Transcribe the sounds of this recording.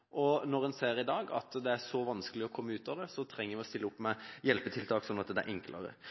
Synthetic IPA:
ʔɔnɔʁɛnseːɾɪd̪ɑːɡɑ̰t̪d̪ɛæʂɔʋɑnskəlɪɔkʰɔmːəʉːt̪ɑʋd̪ɛsɔt̪ʰɾɛŋːəɾʋɪɔst̪ɪlːəʊpːmɛjɛlpət̪ʰɪlt̪ʰɑːksɔnːɑt̪d̪ɛæ̰ɾʔɛŋklʔə̰ʁə̰

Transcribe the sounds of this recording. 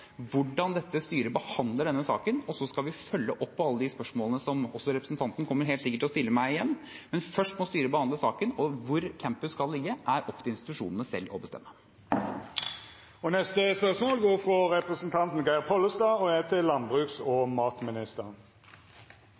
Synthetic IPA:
ʋʊɖɑnd̪ɛt̪ːəst̪yːɾəbəhɑnd̪ləɖɛnːəsɑ̰ːkənɔsɔskɑʋɪfœlːəʔɔpʰːɔɑlːəd̪ɪspœʂmoːlnəsɔmɔ̰sːɔɾɛpɾəsn̩t̪ʰɑnt̪nkʰɔmːəɾɦeːlt̪sɪkːəʈʰːɪlɔst̪ɪlːəmæɪɪjɛnːmɛnfœʂʈmɔst̪yːɾəbəhɑnd̪ləsɑːkənɔʋʊɾkʰæmpəskɑlːɪɡːəʔæɾʔɔpʰːt̪ɪɪnst̪ɪt̪ʉʂuːnənəsɛ̰lːɔ̰bəst̪ɛ̰mːə | ɔnɛst̪əspœʁsmoːlɡoːʁfʁɔʁɛpʁəsnt̪ʰɑnt̪n̩ɡɑɪpʰɔlːəst̪ɑːɔɛt̪ʰɪlːɑnbʁʉːksɔmɑːt̪mɪnɪst̪əʁ

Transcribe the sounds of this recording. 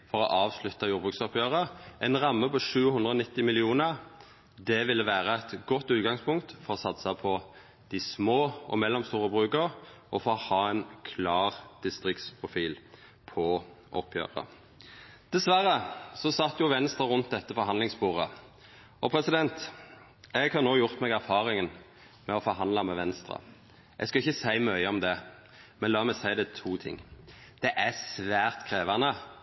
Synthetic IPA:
fɔʁɔ̰ʔɑːʋslʉt̪ːɑjuːʁbʁʉksɔpjøːʁəʔɛnʁɑmːəpɔʂʉːhʉnd̪ʁəɔnɪt̪ːɪmɪlɪuːnəʁ | d̪ɛʋɪlːəʋæːʁəæt̪ɡɔt̪ːʉːt̪̚ɡɑŋspʰʊŋkt̪fɔɾʁɔsɑt̪sɑpʰɔ | d̪̥ɪsmoːʔɔmɛlːɔmst̪uːʁəbʁʉːkəʁʔɔfɔɔhɑːɛɪnkʰlɑːʁd̪̥ɪst̪ʁɪkt̪spʰʁʊfiːl | pʰɔ | ʔɔ̰pʰːjø̰ːʁə̰ | d̪̥ɛsʋæɾːəsɔsɑt̪ːjʊʋɛnst̪ʁɑʁʉnt̪̚d̪ɛt̪ːəfɔɾɦɑnlɪŋsbuːʁə | ɔpʰɾɛsɪd̪ɛnt̪ | ɛɡhɑʁnoːjʊʁt̪mɛɡæɾfɑːʁɪŋən | mɛɔfɔɾɦɑnlɑmɛʋɛnst̪ɾɑ̰ | ʔɛ̰ɡskɑɪçːəsæɪmœʏəɔmd̪ɛ | mɛnlɑːmɛsæɪd̪ɛt̪ʰuːt̪ʰɪ̰ŋː | d̪̥ɛʔæsʋæːʁt̪kʰɾeːʋɑnə

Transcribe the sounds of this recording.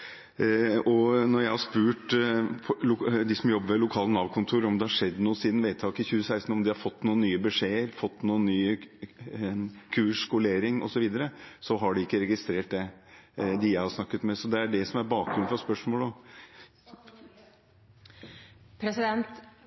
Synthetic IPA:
ɔnɔɾjæɪhɑʂpʉːʈ̪ʰ | ʊd̪ɪsɔmjɔbːəɾʋɛlʊkʰɑːlənɑːʋkʰʊnt̪ʰuːɾɔmd̪ɛhɑʂɛd̪ːnuːəsiːd̪nʋeɪt̪ʰɑːkɪçʉːəsæɪst̪n̩ɔmd̪ɪhɑɾfɔt̪ːnuːənːyːəbəʂeːəɾfɔt̪ːnuːənnːyːə | kʰʉːʂkʊleːɾɪŋʔɔ̰sɔʋiːd̪əɾəsɔɦɑɖɪɪkːəɾɛɡɪst̪ɾeːʈ̚d̪ɛ | d̪ɪjæɪhɑɾʂnɑkːət̪mɛsɔd̪ɛæɖɛsɔmæɾbɑːk̚ɡɾʉnfɾɑspœʂmoːləɔ | pʰɾɛsɪd̪ɛnt̪

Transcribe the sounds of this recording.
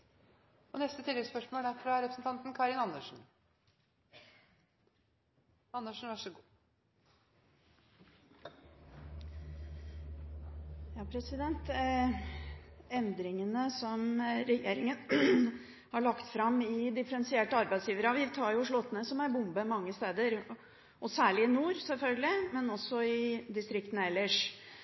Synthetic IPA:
ɔnɛst̪ət̪ʰɪlɛɡspœʂmoːlæɾfɾɑɾɛpʰɾəsnt̪ʰɑnt̪n̩kʰɑɾɪnɑnːəʂn̩ | ɑnːəʂn̩ʋæʂɔɡ | jɑːpʰɾɛsɪd̪ɛnt̪ | ɛnd̪ɾɪŋənəsɔmɾɛjḛːɾɪŋən | hɑɭɑkt̪fɾɑmɪd̪ɪfəɾɛnsɪeːʈəɑɾbæɪd̪sjiːʋəɾɑʋɪʋt̪ʰɑːɾjʊʂɭɔt̪ːənəsɔmæɾbʊmbəmɑŋːəst̪eːd̪əɾ | ʔɔsæːɭɪɪnuːɾsɛlfœlɡəlɪmɛnɔsːɔɪd̪ɪst̪ɾɪkt̪ən̩ɛlːəʂ

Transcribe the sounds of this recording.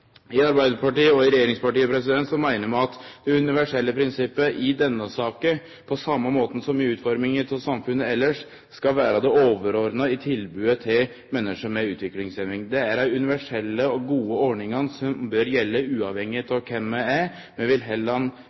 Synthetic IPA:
ɪɑɾbæɪd̪əɾpʰɑʈiːəɔɪɾɛjeːɾɪŋspɑʈiːəpʰɾɛsɪd̪ɛnt̪sɔmæɪnəɾmɛɑt̪d̪̥ɛʉnɪʋæʂɛlːəpʰɾɪnsɪpːəʔɪd̪ɛnːəsɑːkə | pʰɔsɑmːəmoːt̪n̩sɔmɪʉːt̪fɔɾmɪŋəɾt̪ʰɪlsɑmfʉnːəɛlːəʂ | skɑlʋæːɾəd̪ɛoːʋəɾɔɾd̪nəɪt̪ʰɪlbʉːət̪ʰɪl | mɛnːəʂəmɛʉːt̪ʰʋɪklɪŋsɛnʋɪŋd̪ɛæɾæɪʉnɪʋæʂɛlːəɔɡuːəɔɳɪŋənsɔmbœɾjɛlːəʉːɑʋhɛŋːɪt̪ɑʋkʰɛmːɛæ | mɛʋɪlɦɛlːɑn

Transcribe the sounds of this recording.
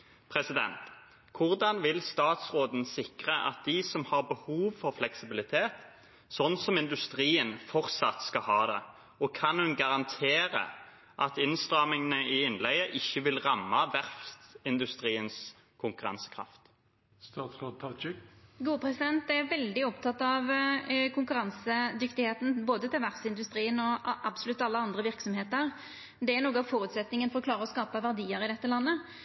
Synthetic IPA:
pʰʁɛsɪd̪ɛ̰nt̪ | kʰʊʁd̪ɑnʋɪlst̪ɑːt̪sʁoːd̪n̩sɪkʁəʔɑ̰t̪̚d̪ɪsɔmhɑʁbəhuːʋfɔʁflɛksɪbɪlɪt̪ʰeːt̪ | sɔnsɔmɪnd̪ʉst̪ʁiːənfɔʁt̪sɑt̪skɑɦɑːd̪ɛ | ɔkʰɑnhʉnɡɑʁɑnt̪ʰeːʁə̰ | ʔɑt̪ɪnst̪ʁɑːmɪŋənəɪɪnlɛɪəʔɪçːəʋɪlʁɑmːɑʋæʁft̪ɪnd̪ʉst̪ʁiːəns | kʰʊŋkʉʁɑ̰nsə̥kʰʁɑ̰ft̪ | st̪ɑt̪sʁɑd̪̚t̪ʰɑt͡ʃɪɡuːəpʰɾɛsɪd̪ɛnt̪ɛɾʋɛld̪ɪɔpt̪ʰɑt̪ːɑʋkʰʊŋkʉɾɑnsəd̪ʏkt̪ɪheːt̪n̩boːd̪ət̪ʰɪlʋæʁsɪnd̪ʉst̪ʁiːənɔʔɑbsɔlʉt̪ːɑlːəɑnd̪ʁəʋɪʁksɔmheːt̪əʁ | d̪ɛæɾnoːɡəɑʋfɔɾʉt̪sɛt̪nɪŋənfɔʁɔkʰlɑːʁəɔskɑːpəʋæʁd̪iːəɾɪd̪ɛt̪ːəlɑnːə

